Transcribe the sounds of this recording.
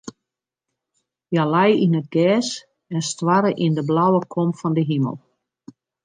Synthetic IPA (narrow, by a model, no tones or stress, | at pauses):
jalajinət̚ɡɛːs | ɛnstwaɾəʔindəblawəkʰomfɔndəɦimə̰lˠ